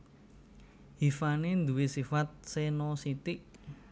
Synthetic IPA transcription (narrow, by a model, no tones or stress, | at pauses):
hifanend̪uwesifat̪̚senosit̪ɪʔ